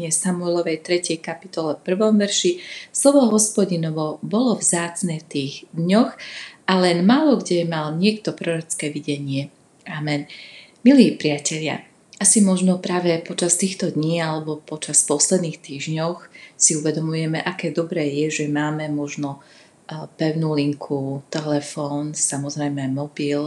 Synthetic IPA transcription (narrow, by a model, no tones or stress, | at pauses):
ɪɛsamuɛlɔʋɛjt̪ɾɛcɛjkapit̪ɔlɛfpr̩ʋɔmʋɛɾʃislɔʋɔɦɔspɔɟinɔʋɔbɔlɔvzaːt͡snɛːft̪iːɣd̪ɲɔxʔalɛnmaːlɔɡɟɛmalɲɪɛkt̪ɔpɾɔɾɔt͡skɛːʋiɟɛɲɪɛ | amɛn | miliːpɾɪacɛʎɪa̰ | asimɔʒnɔpɾaːʋɛpɔt͡ʃast̪iːxt̪ɔd̪ɲiːalɛbɔpɔt͡ʃaspɔslɛd̪niːxt̪iːʒɲɔxsiuʋɛd̪ɔmujɛmɛʔakɛːd̪ɔbɾɛːjɛʒɛmaːmɛmɔʒnɔ | pɛʊnuːliŋkʰut̪ɛlɛfɔːnsamɔzɾɛjmɛmɔbil